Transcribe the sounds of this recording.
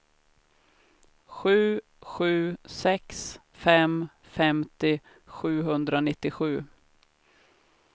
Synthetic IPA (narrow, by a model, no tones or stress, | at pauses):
ɧʉ̟ː | ɧʉ̟ːsɛks | fɛm | fɛmt̪ɪ | ɧʉ̟ːɦɵnd̪ɾanɪt̪ːɪɧʉ̟ː